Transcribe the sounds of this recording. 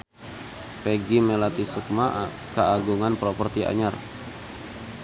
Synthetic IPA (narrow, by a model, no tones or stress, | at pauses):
pɛɡimelat̪isuk̚ma | kaaɡuŋanpɾɔpɔrt̪iʔa̰ɲar